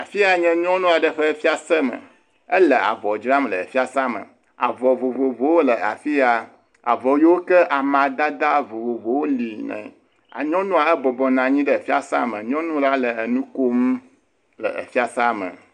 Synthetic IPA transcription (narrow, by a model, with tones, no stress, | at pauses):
a˨fi˦a˨ɲɛ̃˦ɲɔ̃˦nũ˦a˨ɖə˨ɸə˦fi˦a˦sɛ˦mə̰˨ | ə˦lə˨a̰˨vɔ˨d͡ʒɾa˦m˨lə˨ə˨fi˦a˦sã˦mə̰̃˨ | a̰˨vɔ˨vo˨vo˨vo˨˦wo˦lə˨a̰˨fi˦a˨ | a̰˨vɔ˨jo˦wo˦kɛ˦ʔa˨mã˨d̪a˦d̪a˦vo˨vo˨vo˨wo˦li˨nɛ̰̃˨ | a̰˨ɲɔ̃˦nũ˦a˨ɛ˦bɔ˨bɔ˨nã˨ɲĩ˦ɖə˦˨fi˦a̰˦sa˦mə̃˨ɲɔ̃˦nũ˦la˦lə˨ə˨nũ˦ko˦m˦ | lə̰˨ə̰˨fi˦a˨sa˦mə̰̃˨